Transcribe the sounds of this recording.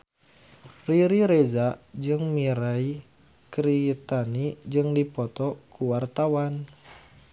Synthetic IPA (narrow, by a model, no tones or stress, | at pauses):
riɾiɾezad͡ʒɨŋmiɾai | kɾit̪anid͡ʒɨŋdipɔt̪ɔkuwart̪awan